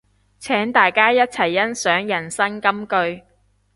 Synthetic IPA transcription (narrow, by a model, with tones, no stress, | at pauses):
t͡sʰɛː˨˥ŋt̪aː˨jkaː˥jɐ˥t̚t͡sʰɐ˨˩jːɐ˥nsœː˨˥ŋjɐ˨˩nsɐ˥ŋkɐ˥mkɵ˧ɥ